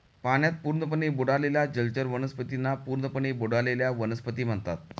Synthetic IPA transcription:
paɳ̃jat̪̚puːɾnəp̬əɳeboɽaleljad͡ʑəlt͡ɕəɾʋənəspət̪inːapuːɾnəpəɳeboɽaleljaʋənəspət̪iːm̤əɳt̪at̪̚

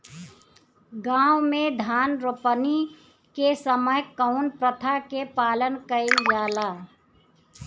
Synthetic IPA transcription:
ɡãːʊmẽd̪ʱaːnɾopəni | kesəməjkəʊnpɾət̪ʰakepaːlənkəɪljaːla

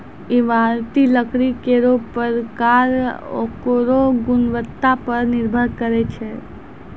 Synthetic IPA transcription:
iʋaɾt̪iləkɾikeɾopəɾkaɾo̰koɾoɡʊnʋət̪ːapəɾnɪɾbʱəɾkəɾɛt͡ʃʰɛ

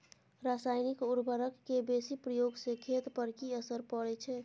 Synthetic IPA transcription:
ɾasaːjnikuɾbʱəɾəkːebesipɾəjoɡsekʰet̪pəɾkiəsəɾpəɽɛt͡ʃʰɛ

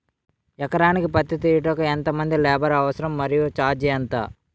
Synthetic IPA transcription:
ɛkɐɾaːnikipɐt̪jit̪̬ijiʈɐkɐent̪ɐmɐnd̪ilɛːbɐɾɐʋɐsɐɾɐmːɐɾijut͡ʃaːd͡ʒiɐnt̪a̰ː

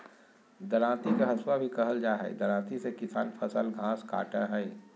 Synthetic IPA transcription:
d̪ɐlãːt̪ikeɦɐswabʱikɐɦəld͡ʒaːɦɛ̰ḭd̪ɐlãːt̪isekɪsa̰ːnfʰɐsəlɡʱãːska̰ːʈãɦɛi

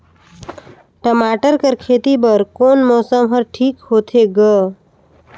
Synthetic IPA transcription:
ʈəmaːʈəɾkəɾkʰeːt̪ibəɾkoːnmɔːsəmɦəɾʈʰiːkhoːt̪ʰeɡə

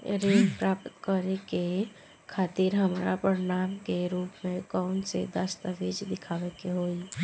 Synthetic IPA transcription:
ɾeːnpɾapt̪kəɾeke | kʰaːt̪iɾɦəmɾapəɾɪnaːmkeɾuːpmẽkɔʊnsḛd̪əst̪əʋid͡ʒd̪ɪkʰaːʋekeɦoːi

